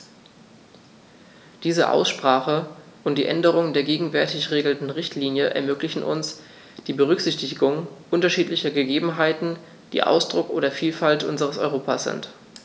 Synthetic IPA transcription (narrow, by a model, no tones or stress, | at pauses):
d̥iːzə̰ʔa̰ʊsʃpʁ̥aːχəʔʊntd̥iːʔɛndəʁ̞ʊŋəndeːɐɡeːɡŋ̩vɛɐtɪçʁeːɡl̩tn̩ʁɪçtliːnjəʔɛ̰ɐmøːklɪçn̩ʔʊ̰ns | d̥iːbəʁ̞ʏkz̥ɪçtɪɡʊŋʔʊntɐʃiːtlɪçɐɡəɡeːbm̩ɦaɪtn̩ | d̥ḭːʔa̰ʊsd̥ʁʊkʔoːdɐfiːlfaltʔʊnzəʁ̞əsɔ̰ʏʁoːpʰasz̥ɪ̰nt